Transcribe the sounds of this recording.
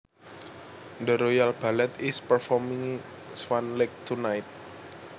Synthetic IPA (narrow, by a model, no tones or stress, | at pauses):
ndəɾojalb̥alɛt̪ispərfɔmiŋ | swanlɛk̚t̪ʰunajt̪̚